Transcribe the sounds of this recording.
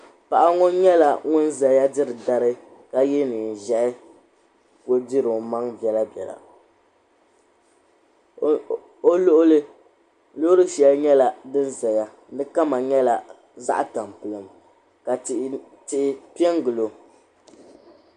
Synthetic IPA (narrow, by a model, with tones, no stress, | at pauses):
pa˨ʔa˦ŋɔ˦ɲɛ˦la˨ŋʊ˦n˦za˨ja˦dɨ˦ɾɨ˨da˦ɾɨ˦ | ka˦jɛ˦nɨ˨ʒɛ˨ʔɪ˦ | ko˦di˦ɾo˨ma˦ŋbɛ˨la˦bjɛ̰˨la̰˨ | o˦lʊ˦ʔlɨ˦ | lʊ˦ʊ˦ɾɨ˦ʃɛ˨lɲɛ˦la˨dɨ˦n˦za˨ja˦ | nɨ˦ka˦ma˨ɲɛ˦la˨ | za̰˦ʔa˦ta˨m˨pɨ˨lɨ˨m | ka˨ | tɪ˨ʔɪ˦pi˦ɛ˦ŋɡɨ˨lo˨